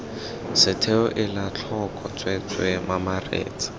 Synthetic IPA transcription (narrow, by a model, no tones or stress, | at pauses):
sɪtʰeʊʔɪlat͡ɬʰɔkʰʼɔt͡sʼwɛt͡sʼwɛmamarḛːt͡sʼḁ